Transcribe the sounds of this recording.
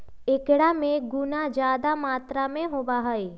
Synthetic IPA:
ekɽamẽɡʊnad͡ʒjaːd̪amaːt̪ɾamẽɦoːbaɦəe

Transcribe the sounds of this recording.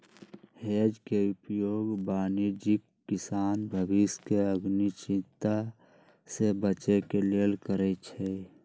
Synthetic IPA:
hed͡ʒkeupjoːɡbaːniɾd͡ʒɪkːɪsaːnbʱəbɪskeəɡnit͡ʃɪ̃nt̪a | sebət͡ʃekelelkəɾɛt͡ʃʰɛ

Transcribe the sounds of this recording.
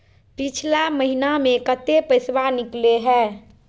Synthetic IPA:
pit͡ʃʰlaməɦinamẽkət̪epəɪswanikleɦɛː

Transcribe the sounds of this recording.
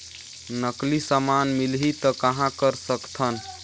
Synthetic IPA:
nəklisamanmilɦit̪əkəɦãkəɾsəkt̪ʰən

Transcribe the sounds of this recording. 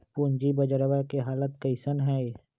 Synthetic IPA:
pund͡ʒibəd͡ʒəɾʋəɾkeɦaːlət̪̚kəɪsənɦɛː

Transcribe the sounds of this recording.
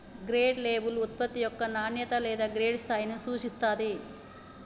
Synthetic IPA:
ɡɾeːɖleːbulut̪̚pɐt̪ːijɔkːɐnaːnjɐt̪ɐlɛːd̪ɐɡɾeːɖst̪ʰaːjnusuːt͡ʃist̪ːaːd̪e

